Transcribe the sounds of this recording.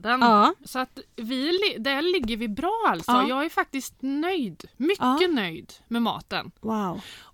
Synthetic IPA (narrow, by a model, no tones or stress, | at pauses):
d̪ənsɔat̪vɪlɪd̪ælɪɡːəɾvɪbɾɑːalsɔjɑːɡæɾfak̚t̪ɪst̪nœjd̪mʏːənœjd̪mɛmɑ̰ːt̪ə̰nwaw